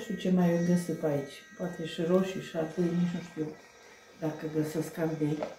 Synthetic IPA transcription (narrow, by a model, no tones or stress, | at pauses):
ʃt̪ut͡ʃemajɨnd̪esipait͡ʃʲpoat̪ʰeʃɨɾoʃiʃat̪ɨnit͡ʃnuʃt̪iw | d̪akəbəsəskand̪e